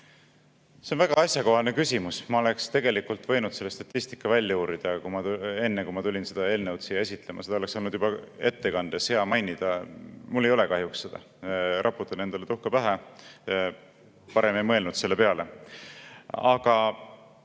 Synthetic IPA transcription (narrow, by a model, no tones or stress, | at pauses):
se̞onvæɡ̥ɑɑsʲjɑko̞ɦɑlnekysʲimusmɑo̞le̞kst̪e̞ɡ̥e̞likult̪ˑvɤ̞jnud̪̥se̞lːest̪ɑt̪ʲːˑist̪i̥kːˑɑvælʲjɑuːɾid̪̥ɑkumɑe̞nːekumɑt̪ulʲinse̞d̪̥ɑe̞ːlnewt̪sijɑe̞s̬ʲit̪ˑle̞mʔɑse̥ɑolekso̞lnud̪jubɑe̞t̪ːe̞kɑnd̪̥ese̞ɑmɑjnid̪̥ɑmulːe̞jo̞le̞kɑɦjuksːe̞d̪ɑ̰ | ɾɑpːˑut̪ːˑɑne̞nd̪̥ɑlet̪uhkɑpæɦæ | pɑɾe̞miimɤ̞lnud̪se̞lːe̞pe̞ɑle̞ | ɑɡ̥ɑ